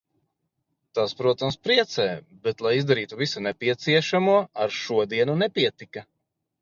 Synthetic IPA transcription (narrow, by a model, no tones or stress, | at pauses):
t̪aspɾuɔt̪amspɾiɛt̪sɛː | bɛt̪lˠajizd̪aɾiːt̪uvisanɛpʲiɛt̪siɛʃamuɔaɾʃuɔd̪iɛnunɛpʲiɛt̪ikɐ